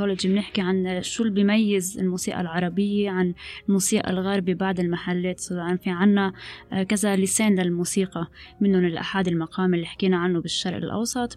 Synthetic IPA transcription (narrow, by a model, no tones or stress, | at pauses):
kolod͡ʒimnɪħkiʕanʃulbimajːɪzɪlmuːsiːʔa̰lʕɑɾˤɑbɪjːeʕanɪlmuːsiːʔa̰lɣaɾˤbibaʕd̪ɪlmaħalːeːt̪sˤlʕɑnfiʕanːakazalɪseːnlalmuːsiːqɑmɪnːʊnɪlʔa̰ħad̪ɪlmaqɑːmɪlːiħḁkiːnaʕanːʊbɪʃːɑɾˤʔɪ̰lʔɑ̰wsˤɑt̪ˤ